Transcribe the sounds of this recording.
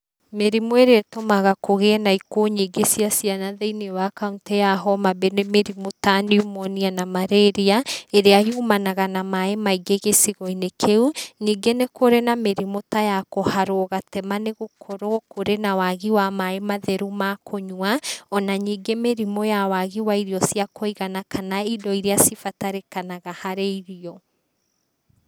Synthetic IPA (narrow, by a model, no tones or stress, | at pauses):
meɾimoeɾeatomaɣakoɣenaikoɲiːɡesiasijanaðeinewakauntejaɦɔmabenemeɾimotaniumɔnianamaɾeɾiaeɾeajumanaɣanamaemaiɡeɣesiɣɔinekʰeuɲiːɡenekoɾenameɾimotajakohaɾoɣatɛmaneɣokʰoɾokoɾenawaɣiwamaemaðɛɾumakʰoɲwaɔnaɲiːɡemeɾimojawaɣiwaiɾiɔsiakʰoiɣanakʰanaidɔiɾeasifataɾekanaɣahaɾeiɾiɔ